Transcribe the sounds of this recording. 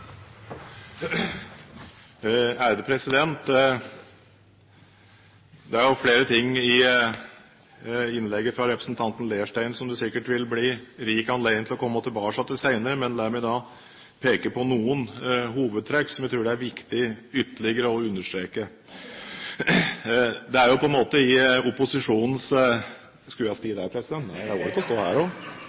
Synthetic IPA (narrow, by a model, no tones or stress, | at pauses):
æːɾəd̪əpʰɾɛsɪd̪ɛnt̪ | d̪ɛæɾjʊfleːɾət̪ʰɪŋːɪ | ɪnlɛɡːəfɾɑɾɛpɾəsnt̪ʰɑnt̪n̩leːəʂʈæɪnsɔmd̪ʉsɪkːəʈʋɪlbliːɾiːkɑnleɪəŋt̪ʰlɔkʰɔmːət̪ʰɪlbɑːkʂɑt̪ɪsæɪnəɾəmɛnlæːɾmɛɪd̪ɑ | pʰeːkəpʰɔnuːənɦuːʋəd̪̚t̪ʰɾɛkːsɔmjæɪt̪ʰɾʉːɖɛæɾʋɪkt̪ɪʏt̪ːəɭɪɡəɾəɔʉnːəʂʈ̪ɾeːkə | d̪ɛæɾjʊpʰɔɛnmoːt̪əɪʊpʊsɪʂuːnn̩s | skʉɑst̪iːd̪æɾpʰɾɛsɪd̪ɛnt̪ːnæɪd̪æɡoːɾɪt̪ɔst̪oːhæ̰ːɾɔ